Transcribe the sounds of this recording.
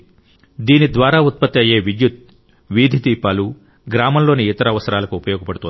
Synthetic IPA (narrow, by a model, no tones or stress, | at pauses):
d̪iːnid̪ʋaːɾaːut̪̚pɐt̪ːiɐje̞ːʋid̪jut̪̚ | ʋiːd̪ʱid̪iːpaːlu | ɡɾaːmɐmlo̞ːniːt̪ɐɾɐʋɐsɐɾaːlɐkuupɐjoːɡɐpɐɽut̪un